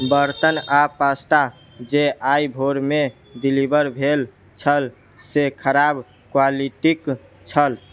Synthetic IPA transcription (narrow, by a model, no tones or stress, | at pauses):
bəɾt̪ənapasʈa | d͡ʒeajbʱoɾme | ɖilibəɾbʱel | t͡ʃʰəl | sekʰəɾab | kwaliʈik | t͡ʃʰəl